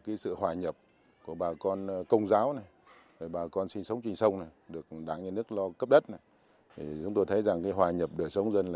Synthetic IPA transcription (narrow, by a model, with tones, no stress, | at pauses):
kaː˨˦jsɨ̰˧˨hwaː˨˩ɲə˨˩p̚ | ku˧˩əɓaː˨˩kɔ˧nkə˧wŋ͡mzaː˨˦wna˨˩j | vəː˨˩ɓaː˨˩kɔ˧nsi˧nsə˨˦wŋ͡mt͡ɕï˧˩ŋ̟sə˧wŋ͡mna˨˩jɗɨ˨˩ək̚ɗaː˧˩ŋɲa˧nɨ˦˥ək̚lɔ˧kə˦˥p̚ɗə˦˥t̚na˨˩j | t̪ʰi˨˩t͡ɕʊ̰˨˦ŋ͡mt̪o˧jt̪ʰə˨˦jza˨˩ŋkaː˨˦jɦwaː˨˩ɲə˨˩p̚ɗəː˧˩jsə˨˦wŋ͡mzə˧nlaː˨˧˩